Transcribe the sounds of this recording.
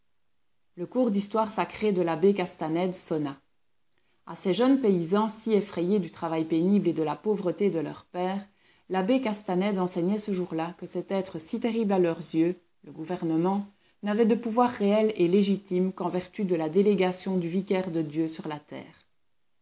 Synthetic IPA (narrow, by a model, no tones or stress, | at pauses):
ləkuʁd̪ist̪waʁsakχed̪əlabekast̪anɛd̪sɔna | a̰sɛʒənpeizɑ̃siefχɛjed̪yt̪χavajpenibled̪əlapovʁət̪ed̪əlœ̰ʁpɛːʁ | labekast̪anɛd̪ɑ̃sɛɲɛsəʒuʁlakəsɛt̪ɛt̪χəsit̪eʁiblalœʁzjø | ləɡuvɛʁnəmɑ̃ | navɛd̪əpuvwaʁːeɛleleʒit̪imkɑ̃vɛʁt̪yd̪əlad̪eleɡasjɔ̃d̪yvikʲɛʁd̪əd̪jøsyʁlat̪ɛ̰ːʁ